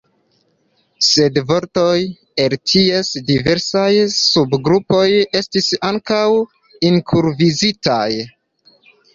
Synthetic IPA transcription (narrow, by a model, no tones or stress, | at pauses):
se̞dvo̞ɾto̞j | e̞ltʰie̞sdive̞ɾsajsubɡɾupo̞je̞stisaŋkaw | iŋkʰuɾvizitaj